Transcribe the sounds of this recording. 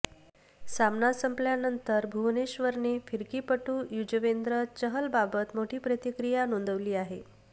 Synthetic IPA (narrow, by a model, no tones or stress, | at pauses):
samnasəmpljanənt̪əɾbʱuʋneɕʋəɾnefiɾkiːpəʈuːjud͡ʑəʋend̪ɾət͡ɕəɦəlbabət̪moʈʰiːpɾət̪ikɾijanond̪əʋliːaɦe